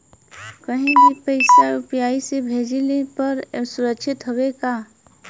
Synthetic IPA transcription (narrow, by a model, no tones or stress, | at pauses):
kəɦĩbʱipəɪsaʊpjaːisebʱeːd͡ʒilepɐɾsʊɾəkʃɪt̪ɦowekaː